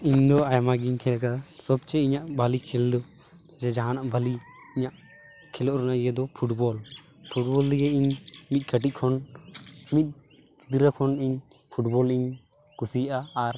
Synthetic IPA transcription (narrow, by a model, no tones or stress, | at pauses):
iɲd̪ɔajamaɡiɲkʰɛlkasɔb̚t͡ʃɛiɲaʔbalikʰɛld̪ɔ | d͡ʒɛd͡ʒaɦanaʔbali | iɲaʔ | kʰɛlɔʔɾnaijɛd̪ɔpʰuʈbɔl | pʰuʈ̚bɔld̪iɡɛiɲmit̪̚ˀkʰəʈ̬ic̚ˀkʰɔn | mit̪̚ˀ | d̪iɾakʰɔniɲ | pʰuʈbɔliɲ | kusijʔaːɾ